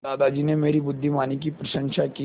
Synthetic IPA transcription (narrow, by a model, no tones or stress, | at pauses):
d̪ad̪ad͡ʑiːnemeɾiːbʊd̪ʱːimanikiːpɾəɕəŋɕaki